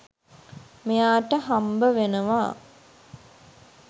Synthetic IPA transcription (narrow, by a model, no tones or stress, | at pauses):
mejaːʈəɦambəʋenəʋa̰ː